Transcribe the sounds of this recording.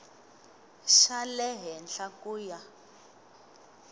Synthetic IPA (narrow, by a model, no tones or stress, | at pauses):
ʃalɛɦɛnɬakuːja